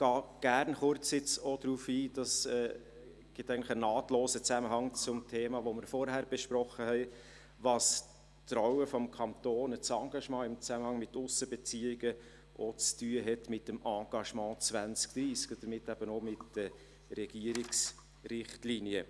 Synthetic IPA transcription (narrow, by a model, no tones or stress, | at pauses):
ɡ̥ɑːɡ̥æɾnχʊɾt͡sɪt͡sod̪ɾuːfiːd̥ɑsɛː | ɡ̥ɪt̪ːæɪɡn̩tlə̥χənɑːtloːsət͡sæməɦɑŋt͡sʊmtʰeːmɑːʋoməɾfɔɾhæɾb̥ɛʃpɾɔχəhɛɪ | vɑs | tɾɔwəfɔmkʰɑnt̪oːnət͡sɑːɡ̥ɑʃmɑ̃ːɪmt͡sæməhɑŋmɪtːʊsəbɛt͡siːɪɡ̥ə | ʔɔt͡styːəɦɛtmɪtːəmɑ̃ːɡ̥ɑʃmɑ̃ːt͡svænt͡skd̪̥ɾiːskəd̥̪əɾmɪtːæb̥ənomɪtd̥ə | ɾɛɡ̥iəɾɪks | rɪχtliniə